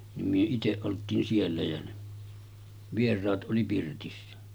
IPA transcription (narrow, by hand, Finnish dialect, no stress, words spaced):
nim myø iteʔ ʔoltˑiːn sielːæ jɑ ne ʋierˑɑːt ʔoli pirtisːæ